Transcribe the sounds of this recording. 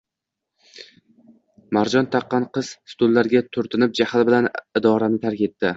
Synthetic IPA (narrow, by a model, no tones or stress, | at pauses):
maɾd͡ʒɒnt̪ʰɑqːɑnqʰɨz̥st̪ʊlːaɾɡʲat̪ʰʊɾt̪ʰɪnɪp̚d͡ʒahalbɪlanɪd̪ɒɾanɪt̪ʰaɾkʲe̞t̪ʰːɪ